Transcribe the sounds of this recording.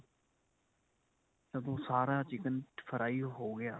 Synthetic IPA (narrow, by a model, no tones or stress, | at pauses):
səd̪õːsaːɾaːt͡ʃɪkənʈpʰəɾʔaːiːɦoːɡɪjaː